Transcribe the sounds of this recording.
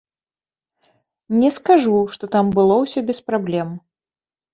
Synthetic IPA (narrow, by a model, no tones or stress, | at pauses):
nʲɛskaʐuʂt̪ɔt̪ambɨlˠɔwsʲɔbʲɛspɾablʲɛm